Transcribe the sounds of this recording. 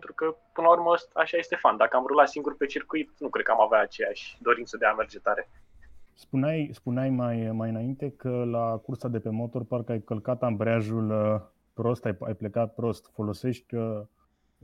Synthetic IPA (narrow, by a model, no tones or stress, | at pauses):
ent̪ɾukəpɨnəlaurməəst̪aʃaje̞st̪e̞fand̪akəamɾulat̪siŋɡurpet͡ʃirkuit̪nukɾed̪̚kəamaveaːt͡ʃe̞jaʃd̪o̞ɾint̪səd̪eame̞rd͡ʒet̪aɾe̞spuneajspuneajmajmajɨnaint̪e̞kəlakursad̪e̞pe̞mo̞t̪o̞rparkəajkəlkat̪ambɾeaʒul | pɾo̞st̪ajajplekat̪̚pɾo̞st̪fo̞lo̞se̞ʃt̪ʲə